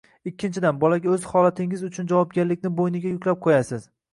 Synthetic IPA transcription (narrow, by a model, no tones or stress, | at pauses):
ɪkʲʰːɪnt͡ʃʰɪd̪anbɒlaɡʲaɵzhɒlat̪ʰɪŋɪzʊt͡ʃʰʊnd͡ʒavɒp̚ɡʲaɾlɪkʲnɪbojnɪɡʲajʊkʲʰlap̚qʰojasɪz